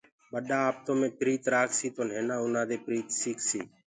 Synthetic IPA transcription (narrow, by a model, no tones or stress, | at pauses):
ɓəɗaːaːp̚t̪õːmẽːpɾiːt̪ɾaːksiːt̪oːn̤eːnãːʊnãːd̪eːpɾiːt̪siːkʰsiː